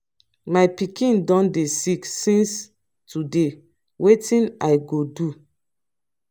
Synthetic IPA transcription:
majpikĩndɔ̃ndesiksĩns | tude | wetĩnajɡodu

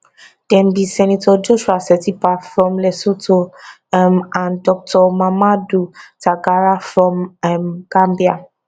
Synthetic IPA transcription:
d̥ɛ̃mbisɛnitɔd͡ʒoʃuasɛtipafɹɔ̃mlɛsotʰo | mãndɔk̚tʰɔmamadutaɡaɹafɹɔ̃mmɡ̥ãmbia

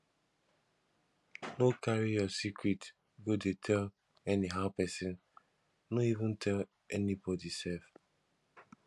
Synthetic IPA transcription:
nokaɹijɔsikʰɹit | ɡodetʰɛl | ɛniɦaʊpɛsɪ̃n | noivũntʰɛl | ɛnibɔdisɛlf

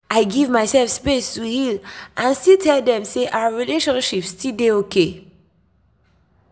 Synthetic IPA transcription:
ʔaɪɡivmaɪsɛlfspestuhilʔãnstiltʰɛldɛ̃mseʔaʊaɹileʃɔ̃nʃipstʰildeokʰe

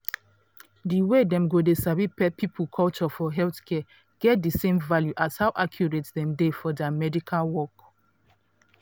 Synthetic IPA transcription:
diwedɛ̃mɡodesavipɛpʰipʰukʰɔlt͡ʃɔfɔɦɛlθkʰɛ | ɡ̥ɛt̚disẽmvaljuʔashawʔakʰjuɹetdɛ̃mdefɔdɛmɛdikʰalwɔk

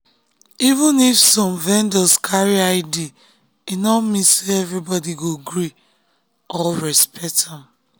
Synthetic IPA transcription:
ivũnifsɔ̃mvɛ̃ndɔskʰaɹiaɪdi | inɔmĩseɛvɹibɔdiɡoɡɹi | ɔlɹɛspʰɛk̚tãm

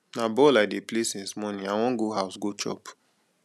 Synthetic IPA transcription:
nabɔladeplesɛ̃nsmɔnĩawɔ̃ŋɡoɦaʊsɡot͡ʃɔ̰p

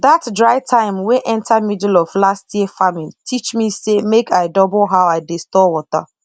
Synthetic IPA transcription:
datdɹaɪtʰãɪ̃mweʔɛ̃ntʰamidlɔvlastjiəfamĩntʰit͡ʃmisemekʰaɪdɔbʊlɦawaɪdestɔwɔta̰

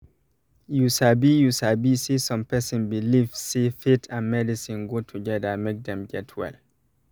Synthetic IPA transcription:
jusabijusabisisɔ̃mpɛsɪ̃nbilivsifitʰãnmɛdisĩnɡotʰuɡɛdəmek̚dɛ̃mɡɛtʰwɛ̰l

